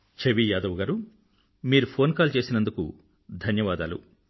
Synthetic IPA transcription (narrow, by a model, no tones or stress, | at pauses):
t͡ʃʰeʋijaːd̪ɐʋuɡaːɾu | miːɾupʰo̞ːnkaːlt͡ʃe̞ːsinɐnd̪uku | d̪ʱɐnjɐʋaːd̪a̰ːlṵ